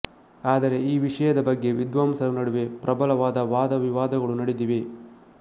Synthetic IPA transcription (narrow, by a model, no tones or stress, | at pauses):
aːd̪ɐɾe̞iːʋiʂɐjɐd̪ɐbɐɡːe̞ʋid̪ʋaːmsɐɾunɐɽuʋepɾɐbɐlɐʋaːd̪ɐʋaːd̪ɐʋiʋaːd̪ɐɡɐɭunɐɽid̪iʋe